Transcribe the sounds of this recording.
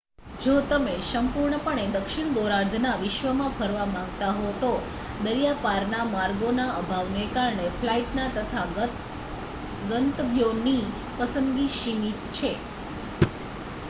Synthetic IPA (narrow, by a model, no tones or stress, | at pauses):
d͡ʒot̪əmesəmpuɾɳəpəɳed̪əkʃɪɳ̃ɡoɾaɾd̪ʱnaʋɪʃʋəmãpʰəɾʋamãŋɡt̪aɦot̪o | d̪əɾjapaɾnamaɾɡonaəbʱaʋnekaɾɳefʰlaiʈnat̪ət̪ʰa | ɡənt̪bjoni | pəsənɡiʃimit̪t͡ʃʰe